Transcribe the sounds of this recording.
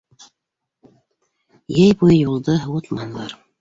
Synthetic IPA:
jejbujjulˠd̪ɤwut̪mɑnlˠɑ̰ɾ

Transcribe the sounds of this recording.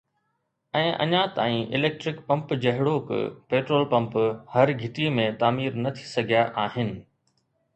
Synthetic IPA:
ɛ̃ːʔɐ̰ɲãt̪aːĩʔɪleːk̚ʈɾɪkpɐ̃mpd͡ʑɐɦɪɽokɪ̰peːʈɾoːlpɐ̃mphɐɾɡʱɪʈimẽt̪aːmiːɾnɐt̪ʰi̥sɐɡʱijaʔaːɦɪnɪ̆

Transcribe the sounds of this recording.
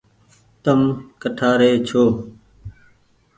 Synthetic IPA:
t̪əmkəʈʰaːɾeːt͡ʃʰoː

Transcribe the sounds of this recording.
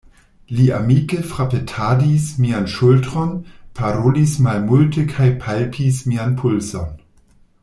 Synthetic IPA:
liamikefɾapetʰadismianʃultɾonpʰaɾolismalmultʰekʰajpʰalpʰismianpʰulson

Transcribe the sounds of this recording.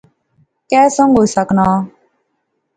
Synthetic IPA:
kɛːsɔŋɡosaknaː

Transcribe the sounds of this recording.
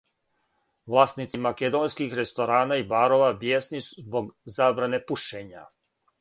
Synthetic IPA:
ʋlˠaːst̪nit̪simaked̪oːnskixɾe̞st̪o̞ɾaːnaibaːɾo̞ʋabjeːsnisu̥zboɡzaːbɾane̞puʃeɲa̰

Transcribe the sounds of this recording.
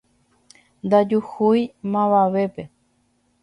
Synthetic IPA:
nd̪ad͡ʒuhujmãβaʋe̞pe̞

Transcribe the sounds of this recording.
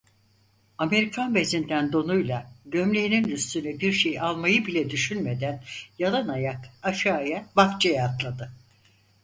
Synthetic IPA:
ame̞ɾikʰanbezind̪ænd̪o̞nujlˠaɟømlʲejininyst̪ʰynɛbiɾʃejalˠmajɯbilʲɛd̪yʃynme̞d̪ænjalˠanajakaʃaːjabaft͡ʃʰejaːt̪lˠad̪ɯ

